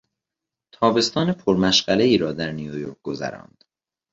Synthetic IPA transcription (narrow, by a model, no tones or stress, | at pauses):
t̪ʰɒːbe̞st̪ɒːnepʰoɾmæʃɢ̥æleiːɾɒːd̪æɾnijojo̰ɾk̚ɡ̥ozæ̰ɾɒ̰ːnd̪̥